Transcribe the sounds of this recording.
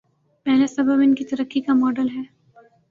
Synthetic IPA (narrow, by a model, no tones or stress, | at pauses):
mɛːnesɐbʱəbɪnkit̪ɐɾəkːikamɔːɖəlɦɛː